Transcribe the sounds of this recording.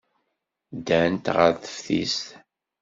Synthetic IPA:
d̪ænt̪ʁəɾθə̥fθḭst̪

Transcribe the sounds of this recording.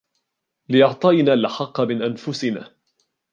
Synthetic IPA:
lɪʔɑʕt̪ˤɑnaːlʔaħɑqːɑmɪnʔanfʊsɪnaː

